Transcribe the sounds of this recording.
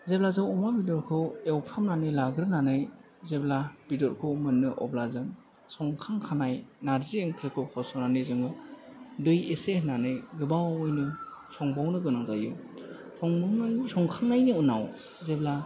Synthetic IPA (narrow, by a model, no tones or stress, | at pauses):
zeblazɯwɔmabidɔɾkʰɯwewpʰɾamnanɯjlaɡɾɯnanɯj | zeblab̥idɔɾkʰɯwmɯnːɯʔɔ̰blazɯn | sɔŋkʰaŋkʰanajnaɾzieŋkʰɾɯkʰɯwkʰɔsɔnanɯjzɯŋɯdɯjesenanɯjɡɯbawawɔjnɯsɔŋbawnɯɡɯnaŋza̰jɯ̰ | sɔŋbawnsɔŋkʰaŋnajnɯunaw | zebla